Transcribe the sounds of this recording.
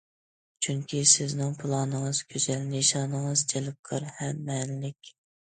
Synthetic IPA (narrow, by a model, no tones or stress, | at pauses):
t͡ʃʰyŋkʲʰisɪznɪŋpʰʊlˠɑnəŋəz̥kʲʰøzɛlneʃɑːnəŋəzd͡ʒʰelɪp̚qʰəɾhɛmːɛnlɪkʲ